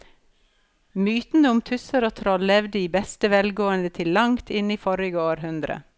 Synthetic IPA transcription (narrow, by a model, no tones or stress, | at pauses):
myːt̪n̩əʊmt̪ʰʉsəɾoːt̪ʰɾɔllɛʋd̪əiːbɛst̪əʋɛlɡoːənd̪ət̪ʰɪllɑŋt̪ʰɪniːfɔɾɪɡəoːɾhʉnd̪ɾə̰